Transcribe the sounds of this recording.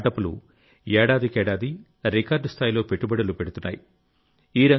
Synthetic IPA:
ʈɐpulṵ | ɛːɽaːd̪ikɛːɽaːd̪i | ɾikaːɾɖst̪ʰaːjilo̞ːpeʈːubɐɽulupe̞ɽut̪unːa̰ːjḭ | iːɾɐ

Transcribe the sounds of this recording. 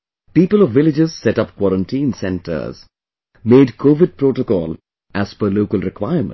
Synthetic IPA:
piːpəlɔʋːɪlɪd͡ʒɪzsɛʈʌpkwɔɾə̃nʈĩːnsɛ̃nʈʰə̰ɾz | meːɖkʰoːʋɪɖ̚pɾoːʈokɔ̰ːl | ʔæz̥fəloːkəlɾɪkwaɪəɾmə̰̃

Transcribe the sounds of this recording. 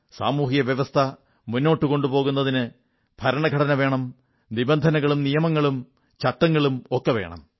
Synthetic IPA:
sa̰ːmuːɦijɐʋjɐʋɐst̪ʰɐ | munːo̞ːʈːɨko̞ɳɖupo̞ːɣun̪ːɐðinɨ | b̥ʱɐɾɐɳɐɡʱɐɽɐnɐʋe̞ːɳɐm | nibɐnd̪ʱɐnɐɣɐɭumnijɐmɐŋːɐɭum | t͡ɕɐʈːɐŋːɐɭumokːɐʋe̞̰ːɳɐ̰m

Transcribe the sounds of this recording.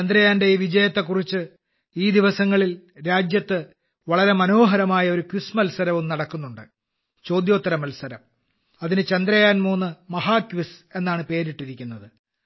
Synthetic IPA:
t͡ɕend̪ɾɐjaːnde̞iʋid͡ʑɐjɐt̪ːe̞kːurit͡ɕːɨ | iːd̪iʋɐsɐŋːɐɭil | ɾaːd͡ʑjɐt̪ːɨ | ʋɐɭɐɾe̞mɐno̞ːɦɐɾɐmaːjɐo̞ɾukʋusmɐlsɐɾɐʋumnɐɽɐkːunːuɳɖɨ | t͡ɕo̞ːd̪jo̞ːt̪ːɐɾɐmɐlsɐɾɐm | ɐðinɨt͡ɕɐnd̪ɾɐjaːnmuːnːɨmɐɦaːkʋise̞nːaːɳɨpe̞ːɾiʈːiɾikʲːunːɐðɨ

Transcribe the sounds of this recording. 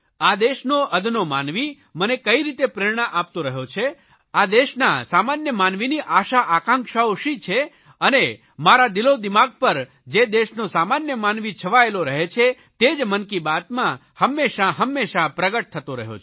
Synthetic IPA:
ad̪eʃnoʔəd̪ʱnomanʋi | mənekəiɾit̪epɾɪɽɳ̃əʔap̚t̪õɾəɦjot͡ʃʰe | ad̪eʃnasamanjəmanʋiniʔaʃaʔakãŋkʃaoʃit͡ʃʰe | əne | maɾad̪ilod̪imaɡ̚pəɾ | d͡ʒed̪eʃnosamanjəmanʋit͡ʃʰəʋaeloɾəɦet͡ʃʰe | t̪ed͡ʒmənkibat̪mã | həmːeʃaɦəmːeʃapɾəɡəʈ̚t̪ʰət̪oɾə̰ɦjo̰t͡ʃʰ

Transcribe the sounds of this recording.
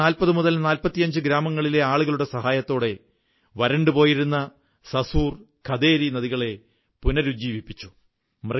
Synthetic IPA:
aːlpɐðɨmuðɐlnaːlpɐt̪ːijɐɲd͡ʑɨɡɾaːmɐŋːɐɭile̞aːɭuɣɐɭuɽe̞sɐɦaːjɐt̪ːo̞ːɽe̞ | ʋɐɾɐɳɖɨpo̞ːjiɾunːɐ | sɐsuːr | kʰɐd̪e̞ːɾinɐðiɣɐɭe̞ | punɐɾud͡ʑiːʋipːit͡ɕːu | mrɐ

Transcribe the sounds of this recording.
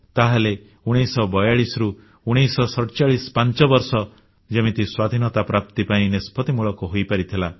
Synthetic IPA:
t̪aɦale | uɽ̃isɔbɔjaɭisɾu | uɽ̃isɔsɔʈt͡ʃaɭispant͡ʃɔbɔɾsɔ | d͡ʒemit̪iswad̪ʱinɔt̪apɾap̚t̪ipaĩnespʰɔt̪imuɭɔkuɦojpaɾit̪ʰila

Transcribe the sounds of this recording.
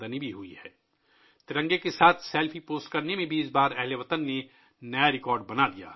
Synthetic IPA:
d̪ənibʱiɦuiɦɛː | t̪ɪɾə̃ŋɡekesaːt̪ʰseːlfʰipoːsʈkɐɾnemẽbʱiɪsbaːɾɛɦleʋɐt̪ənːe | nɐjaɾɪkɔːɾɖbɐnad̪ija̰ː

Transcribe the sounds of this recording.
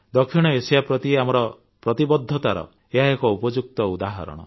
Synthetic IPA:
d̪ɔkʰiɽ̃ɔesijapɾɔt̪ieamɔɾɔ | pɾɔt̪ibɔd̪ʱːɔt̪aɾɔ̰ | eɦaekɔupɔd͡ʒuk̚t̪ɔud̪aɦɔ̰ɾɔ̰ɽ̃ɔ̰

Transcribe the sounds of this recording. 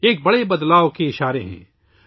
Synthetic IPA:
eːk̚bɐɽebɐd̪laːokeɪʃaːɾeɦɛ̰̃ː

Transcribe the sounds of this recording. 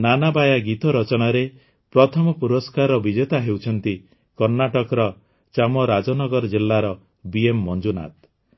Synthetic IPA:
nanabajaɡit̪ɔɾɔt͡ʃɔɽ̃aɾe | pɾɔt̪ʰɔmɔpuɾɔskaɾɔbid͡ʒɔt̪aɦewt͡ʃʰɔnt̪i | kɔɾnaʈɔkɔɾɔ | t͡ʃamɔɾad͡ʒɔnɔɡɔɾɔd͡ʒilːaɾɔ | biemːɔnd͡ʒuna̰t̪

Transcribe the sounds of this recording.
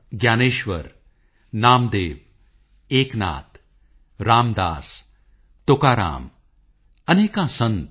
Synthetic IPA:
ɡjaːneːʃʋə̰ɾ | naːmd̪eːʋ | eːkna̰ːt̪ | ɾaːmd̪a̰ːs | t̪oːkaːɾa̰ːm | ɐneːkãːsɐ̃nt̪

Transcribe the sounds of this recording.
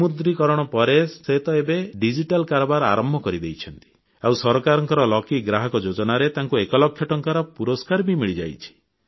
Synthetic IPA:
mud̪ɾikɔɾɔɽ̃ɔpɔɾeset̪ɔebeɖid͡ʒiʈalkaɾɔbaɾa̰ɾɔmbʱɔkɔɾid̪ejt͡ʃʰɔnt̪i̥ | awsɔɾɔkaɾɔŋkɔɾɔlɔkiɡɾaɦɔkɔd͡ʒod͡ʒɔnaɾet̪aŋkuekɔlɔkʰːjɔʈɔŋkaɾɔpuɾɔskaɾbimiɭid͡ʒa̰jt͡ʃʰi̥

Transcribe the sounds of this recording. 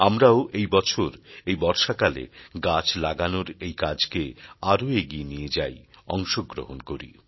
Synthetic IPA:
amɾaoʔejbɔt͡ɕʰoɾejbɔɾʃakalḛɡat͡ɕlaɡanoɾejkad͡ʑkeaɾoeɡienied͡ʑajɔŋʃoɡɾo̰ɦonkoɾḭ

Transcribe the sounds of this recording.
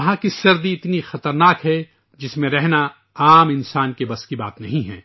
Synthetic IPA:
ɐɦãkisɐɾd̪iɪt̪nixɐt̪əɾnaːkɦɛ | d͡ʒɪsmẽɾɛɦna | aːmɪnsaːnkebɐskiba̰ːt̪nɐɦĩɦɛ̰̃ː

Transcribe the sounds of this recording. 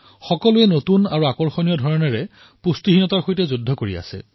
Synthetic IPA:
xɔkɔlʊɛnotunaɹuakɔɹxonijɔdʱɔɹɔnɛɹɛ | pustiɦinɔtaɹxojtɛzudʱːɔkoɹia̰sɛ̰

